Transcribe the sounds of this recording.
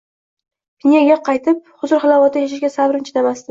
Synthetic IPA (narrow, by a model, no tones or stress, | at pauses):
pɪnjaɡʲaqʰɑjt̪ʰɪp̚hʊzʊɾχɨlˠavɒt̪ʰajaʃ̬ɪʃɡʲasabɾɪnt͡ʃʰɪd̪amast̪ɪ